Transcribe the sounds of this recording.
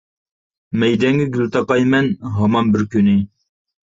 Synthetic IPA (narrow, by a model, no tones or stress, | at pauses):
mɛjd̪ɛŋɡʲiɡʲylt̪ɑqɑjmɛnɦɑmɑnbɪɾkʲynɪ